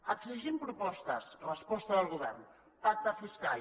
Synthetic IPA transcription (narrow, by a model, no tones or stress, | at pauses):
əɡsiʒimpɾupɔst̪əsrəspɔst̪əðəlˠɣuβɛrn | pak̚t̪əfiskal